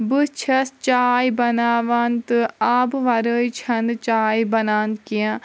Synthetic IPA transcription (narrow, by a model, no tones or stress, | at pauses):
bɨt͡ʃʰɐst͡ʃaːjbɐnaːʋant̪ɨaːbʋɐɾəːit͡ʃʰɐnd̪t͡ʃaːibɐnaːnt̪̚kijãː